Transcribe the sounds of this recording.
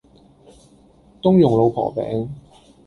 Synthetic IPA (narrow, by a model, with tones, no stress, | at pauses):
t̪ʊ˥ŋjʊ˨˩ŋlo˨˧wpʰɔ̰ː˨˩pɛ̰ː˨˥ŋ